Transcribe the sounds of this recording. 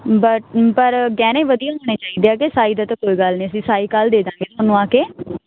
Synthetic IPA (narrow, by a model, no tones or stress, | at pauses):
bəpəɾɡɛːnẽːʋəd̪ijãːoneːt͡ʃaːiːd̪eːaːkesaːiːd̪aːt̪ãːkoːiːɡəlniːəsĩːsaːiːkaːld̪eːd̪ãːŋɡeːt̪ʊənːũːaːkeː